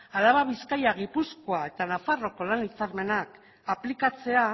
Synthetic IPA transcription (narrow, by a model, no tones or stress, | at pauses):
alaβaβiskajaɣipusko̞ae̞t̪anafaro̞ko̞lanit͡saɾme̞nak | aplikat͡se̞a